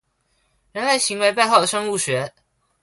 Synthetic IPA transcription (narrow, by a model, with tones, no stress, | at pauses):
ɻə˧˥nwa˧˥ɪɕi˧˥ŋwe˧ɪpa˥˧ɪxɑ˥˩ʊd̪ə˩ʂɤ˥ŋu˥˩ɕɥɛ˧˥